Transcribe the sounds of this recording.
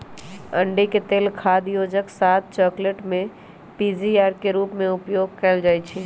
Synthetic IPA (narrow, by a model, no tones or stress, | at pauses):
ə̃ɳɖiket̪eːlkʰaːd̪joːd͡ʒəksaːt̪̚t͡ʃɔːkleʈmẽ | piziaːɾkeɾuːpmẽʊpjoːɡ̚kɛld͡ʒaːjt͡ʃʰi